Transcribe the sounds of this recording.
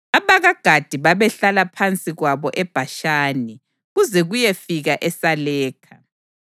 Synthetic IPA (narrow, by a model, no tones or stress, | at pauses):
aβaɣaɡ̥ʱad̥ʱiβaβɛɬalapʰant͡sʼiɣwaβɔʔɛb̥ʱaʃaːni | ɣuzɛɣujefiɣaʔɛsalɛːkʰa